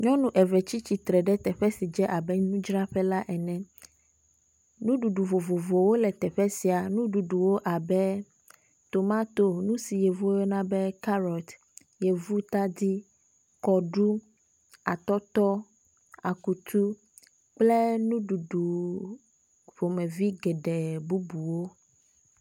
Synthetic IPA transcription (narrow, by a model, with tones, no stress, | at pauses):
ɲɔ̃˦nũ˦ʔɛ˨vɛ˨t͡ɕi˦t͡ɕi˨t̪ɾɛ˨ɖɛ˦t̪ɛ˨ɸɛ˦si˨d͡ʒɛ˦ʔa˨bɛ˦nũ˦d͡ʒɾa˦ɸɛ˦la˦ʔɛ˨nɛ̃˦ | nũ˦ɖu˨ɖu˨vo˨vo˨vo˨wo˦lɛ˨t̪ɛ˨ɸɛ˦si˨a˨nũ˦ɖu˨ɖu˨wo˦ʔa˨bɛ˦ | t̪o˨mã˦t̪o˨nũ˦si˨je˨vu˦je˦nã˦bɛ˦ka˦ɾɔ˨t̪ | je˨vu˦t̪a˦d̪i˦ | kɔ˨ɖu˦ | a̰˨t̪ɔ˦t̪ɔ˦ | a˨ku˨t̪ʰu˦ | k͡ple˦nũ˦ɖu˨ɖu˨ | vo˨mɛ̃˨vi˦ɡɛ˨ɖɛ˨bu˦bu˨wo˦